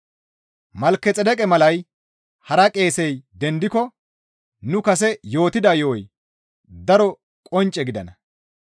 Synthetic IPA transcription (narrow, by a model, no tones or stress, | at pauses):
mɐlkːɛt͡sʼɛd̪ɛkʼɛmɐlɐj | hɐɾɐkʼe̞ːsɛjd̪ɛnd̪ɪkɔ | nʊkɐsɛjo̞ːt̪ɪd̪aːjowɔj | d̪ɐɾɔ | kʼɔnt͡ʃʼːɛɡɪd̪ɐnɐ